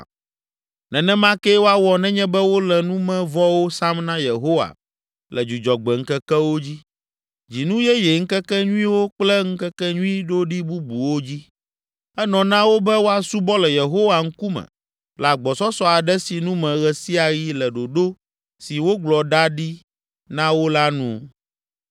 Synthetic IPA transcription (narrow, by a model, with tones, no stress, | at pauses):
nɛ̃˨nɛ̃˦mã˦ke˦wo˦a˦wɔ˨nɛ̃˦ɲɛ̃˦bɛ˦wo˦lɛ˨nũ˦mɛ̃˦vɔ˦wo˦sa˦mnã˦je˨ɦo˦wa̰˨ | lɛ˨d͡ʒu˨d͡ʒɔ˨ɡ͡bɛ˨ŋ̩˦kɛ˦kɛ˦wo˦d͡ʑi˦ | d͡ʑi˨nũ˦jɛ˦jɛ˨ŋ̩˦kɛ˦kɛ˦ɲũ˦ĩ˦wo˦k͡plɛ˦ŋ̩˦kɛ˦kɛ˦ɲũ˦ĩ˦ɖo˦ɖi˦bu˦bu˨wo˦d͡ʑi˦ | ɛ˦nɔ̃˨nã˦wo˦bɛ˦wo˦a˨su˦bɔ˦lɛ˨je˨ɦo˦wa˨ŋ̩˦ku˦mɛ̰̃˨ | la˨ɡ͡bɔ˨sɔ˦sɔ˦a˨ɖɛ˦si˨nũ˦mɛ̃˨ɣɛ˨si˦a˨ji˦lɛ˨ɖo˨ɖo˦ | si˨wo˦ɡ͡blɔ˨ɖa˦ɖi˦ | nã˦wo˦la˦nũ˦